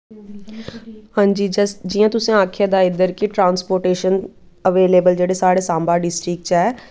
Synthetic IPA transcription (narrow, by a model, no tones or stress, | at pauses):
hãːɲd͡ʒiːd͡ʒd͡ʒijãːt̪ʊsẽaːkʰjad̪aːɪd̪əɾkiʈɾãːnspoːɾʈeːʃən | əʋeːleːbəld͡ʒeːɽeːsaːɽeːsãːmbaːɖɪsʈɾɪkʈt͡ʃɛː